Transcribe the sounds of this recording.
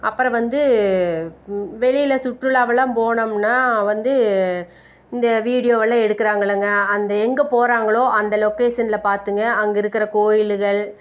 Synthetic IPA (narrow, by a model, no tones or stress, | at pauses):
ɐpːɯɾɐ̃ʋɐnd̪ɯ | ʋɛɻɪjɪlɐsʊʈrɯlaːʋɐlaːmpoːɳɐmnːaːʋɐnd̪ɯ | ɪnd̪ɐʋiːɽɪjoːʋɐɭːãːɛɽɯkːɯɾaːŋɡɐɭɐŋɡɐɐnd̪ɐɛŋɡɐpoːɾaːŋɡɐɭoːʔɐnd̪ɐlɔkːeːsɐnɪlɐpaːɾt̪ɯŋɡɐɐŋɡɐɪɾɯkːɪɾɐkoːjɪlɯɣɐɭ